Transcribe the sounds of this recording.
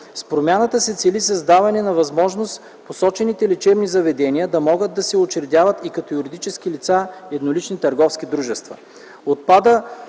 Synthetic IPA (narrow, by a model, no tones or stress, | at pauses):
spɾomʲanət̪əsɛt̪sɛlisɐzd̪avɐnɛnɐvɐzmɔʒnost̪ | posɔt͡ʃɛnit̪ɛlit͡ʃɛvnizɐvɛd̪ɛniəd̪ɐmɔɡət̪d̪̚d̪ːɐsɛot͡ʃɛɾɛd̪ʲjavət̪ikɐt̪ɔjuɾid̪it͡ʃɛskilit̪saɛd̪nolit͡ʃnit̪ɐɾɡɔfskid̪ɾuʒɛst̪vɐ̰ | ot̪̚pad̪ə